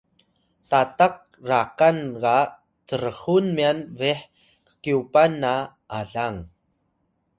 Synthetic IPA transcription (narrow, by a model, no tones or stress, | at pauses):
tataq̚ | rakanka | t͡sərəχunmianviħ | kə̥kiupanːa | ʔaɮaŋ